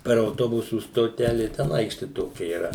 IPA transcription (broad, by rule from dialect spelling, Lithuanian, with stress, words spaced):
pʲɛr ɐʊˈtoːbʊsuː stoːˈtʲæːlʲeː tʲɛn ˈɐɪkʃʲtʲɪ ˈtoːkʲɛ iːˈrɐ